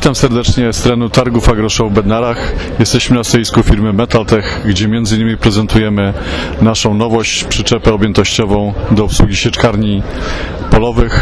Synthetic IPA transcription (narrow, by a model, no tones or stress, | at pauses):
vʲit̪amsɛɾd̪ɛt͡ʂɲɛst̪ɾɛnut̪aɾɡufaɡɾɔʂɔwvbɛd̪naɾaxjɛst̪ɛɕmɘnast̪ɔiskufʲiɾmʲɘmɛt̪alt̪ɛxɡd͡ʑɛmʲjɛnd̪zɘinːɘmʲipɾɛzɛnt̪ujɛmɘ | naʂɔ̃w̃nɔvɔɕt͡ɕpʂɘt͡ʂɛpɛɔbʲjɛnt̪ɔɕt͡ɕɔvɔ̃w̃d̪ɔupswuɡʲiɕɛt͡ʂkaɾɲi | pɔlɔvɘx